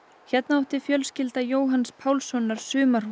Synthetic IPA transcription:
çɛt̪naawht̪ɪfjœlscɪlt̪ajoːwɦanspʰaːwlsɔnːaɾ̥sʏːmaɾ

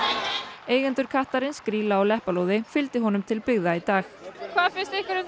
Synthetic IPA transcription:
eːjɣant̪ʏɾ̥kʰaht̪aɾɪnskɾiːlaɔwlɛhpalowðɪfɪlt̪ɪɦɔnʏmt̪ʰɪlpɪɣðait̪aːxkʰvaːðfɪ̥st̪ɪhkvʏɾʏ

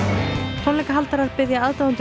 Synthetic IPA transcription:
t̪ʰɔnlɛjkaɦalt̪aɾaðpɪðjaaðt̪aʏnt̪

